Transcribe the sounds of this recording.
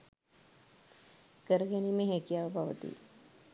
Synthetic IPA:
kəɾɡenimẽɦẽkiaʋəbʱaʋt̪ḭ

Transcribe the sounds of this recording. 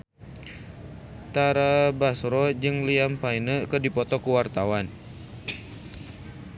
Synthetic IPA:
t̪aɾabasɾɔd͡ʒɨŋliampajnəkərdipɔt̪ɔkuwart̪awan

